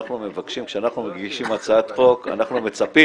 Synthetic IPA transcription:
χnume̞vakʃimkʃeanaχnumaɡɡiʃimat͡saat̪χo̞ka̰naχnume̞t͡sapi

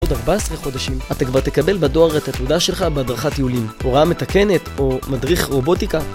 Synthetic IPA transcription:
udaʁbaesʁeχo̞daʃimat̪akvaʁt̪e̞kabe̞lbado̞aʁetatudaʃe̞lχabeadʁaχatjiulimoʁaame̞t̪ake̞ne̞t̪o̞madʁiχʁo̞bo̞tika

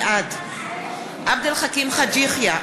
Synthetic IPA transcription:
ʔad̪ | ʔab̚d̪alχakimχad͡ʒiχja

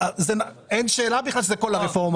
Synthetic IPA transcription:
zen | enʃeːlabiχlalʃezekolaʁefo̞ʁm

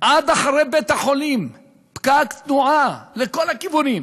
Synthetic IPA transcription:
ʔad̪aχaɾejbet̪haχo̞lim | pkakt̪nuʔaleko̞lakivunim

